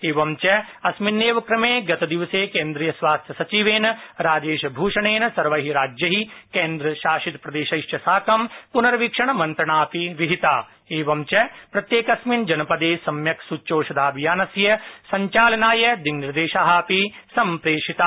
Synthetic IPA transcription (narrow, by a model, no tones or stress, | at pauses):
eːʋɐmt͡ʃɐ | ɐsminːeːʋɐkɾɐmeːɡɐt̪ɐd̪iʋɐseːkẽːnd̪ɾiːjɐsʋaːst̪ʰjɐsɐt͡ʃiʋeːnɐɾaːd͡ʒeːʃɐbʱuːʃɐɳeːnɐsɐɾʋɐɦiɾaːd͡ʒjɐɦikẽːnd̪ɾɐʃaːʃit̪pɾɐd̪eːʃɐjʃt͡ʃɐsaːkɐmpunɐɾɐʋikʂɐɳ̃ɐmɐ̃nt̪ɾɐɳaːpiʋiɦit̪aː | eːʋɐmt͡ʃɐpɾɐt̪jeːkɐsmind͡ʒɐnɐpɐd̪eːsɐmjɐksut͡ʃoːʃɐd̪aːbijaːnɐsjɐsɐɲt͡ʃaːlɐnaːjɐd̪iŋniɾd̪eːʃaːɦaːpi | sɐmpɾeːʃit̪aː